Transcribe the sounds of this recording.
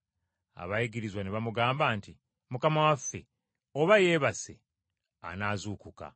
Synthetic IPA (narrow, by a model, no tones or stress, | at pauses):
a̰βajiɡiɾizwaneβamuɡaːmbaːnti | mukamawafːe̞̰ | o̞βaje̞ːβase̞̰ | a̰naːzuːkuka̰